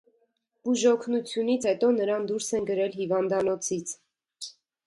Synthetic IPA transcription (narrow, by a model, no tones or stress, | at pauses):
b̥uʒɔkʰnut͡sʰjunit͡sʰhɛt̪ɔnəɾɑnd̪uɾsɛnɡəɾɛlɦivɑnd̪ɑnɔt͡sʰit͡sʰ